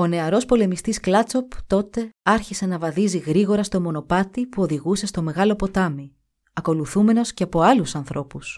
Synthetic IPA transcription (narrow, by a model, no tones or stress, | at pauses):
o̞ne̞ɐɾo̞spo̞le̞mist̪isklɐt͡so̞pt̪o̞t̪e̞ɐɾçise̞nɐvɐðiziɣɾiɣo̞ɾɐst̪o̞mo̞no̞pɐt̪ipuo̞ðiɣuse̞st̪o̞me̞ɣɐlo̞po̞t̪ɐmi | ɐko̞luθume̞no̞sceɐpo̞ɐlusɐnθɾo̞pus